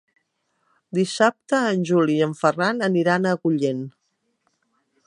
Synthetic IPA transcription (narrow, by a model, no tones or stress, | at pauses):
d̪isap̚t̪əːnʲʒuliəɱfəranəniɾanəkuʎen